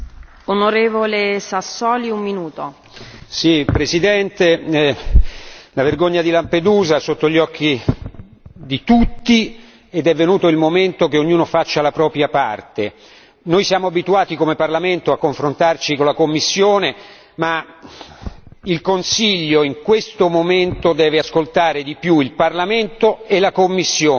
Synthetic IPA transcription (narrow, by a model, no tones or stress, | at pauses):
onoɾeːvolesasːɔːliumːinuːt̪o | sipɾesid̪ɛnt̪e | laverɡoɲːad̪ilamped̪uːzaɛsot̪ːoʎːɔkːi | d̪it̪ut̪ːi | ed̪ɛvːenuːt̪oilmoment̪ok̟eoɲːuːnofat͡ʃːalapɾɔːpɾjapart̪e | nojsjaːmoabit̪uaːt̪ikomeparlament̪oakːoɱfɾont̪art͡ʃikonlakomːisːjoːne | ma | ilkonsiʎːoiŋkwest̪omoment̪od̪ɛːveaskolt̪aːɾed̪ipjuilparlament̪oelakomːisːjoː